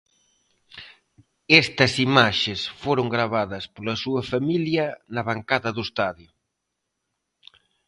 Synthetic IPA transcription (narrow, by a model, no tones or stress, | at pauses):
ɛst̪ɐsimaʃesfoɾoŋɡɾaβaðɐspolɐsuɐfamiljɐnɐβaŋkaðɐðʊest̪aðjʊ